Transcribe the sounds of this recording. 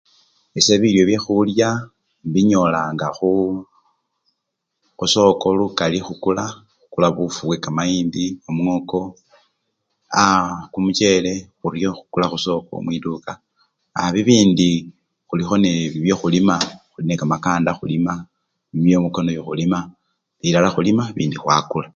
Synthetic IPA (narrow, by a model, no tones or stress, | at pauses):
ese̞βiljo̞βjexulja | βiɲo̞laːŋɡaxu | xuso̞ko̞lukalixukula | xu̥kulaβufuβwekamaiːndiomuŋo̞ko̞ | akumut͡ʃe̞le̞xuɾjo̞xu̥kulaxuso̞ko̞̰mwiduka | a̰βiβiːndi | xulixo̞neβiβjoxulimaxulinekamakaːndaxulima | iβjo̞mukonojoxulima | βilalaxulimaβḭːndixwakula